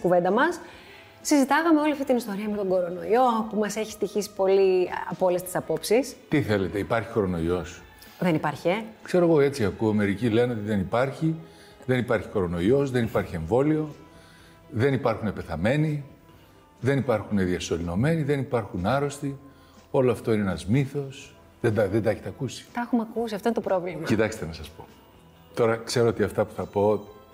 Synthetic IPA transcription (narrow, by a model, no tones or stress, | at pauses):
kuve̞nd̪ɐmɐs | sizit̪ɐɣɐmeo̞liɐft̪it̪inist̪o̞ɾiɐmet̪o̞ɡo̞ɾo̞no̞io̞pumɐse̞çist̪içisi̥po̞liɐpo̞lest̪i̥sɐpo̞psist̪iθe̞le̞t̪e̞ipɐɾçi̥xo̞ɾo̞no̞io̞s | ðe̞nipɐɾçekse̞ɾo̞eɣo̞e̞t͡siɐkuɐme̞ɾicileɐno̞t̪iðe̞nipɐɾçi | ðe̞nipɐɾçi̥xo̞ɾo̞no̞io̞sðe̞nipɐɾçie̞ɱvo̞lio̞ | ðe̞nipɐɾxunepe̞θɐme̞ni | ðe̞nipɐɾxune̞ðiɐso̞lino̞me̞niðe̞nipɐɾxunɐɾo̞st̪i | o̞loɐft̪o̞ineenɐzmiθo̞s | ðed̪ðed̪ɐeçet̪ɐkusi̥t̪ɐxumɐkusiɐft̪oinet̪opɾovlimɐit̪ɐkst̪e̞nɐsɐspo̞̥ | t̪o̞ɾɐkse̞ɾo̞ot̪iɐft̪ɐpu̥θɐpo